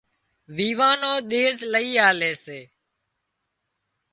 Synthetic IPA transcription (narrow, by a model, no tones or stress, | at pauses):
ʋiːʋaːnoːɗ̪eːzləiːaːleːseː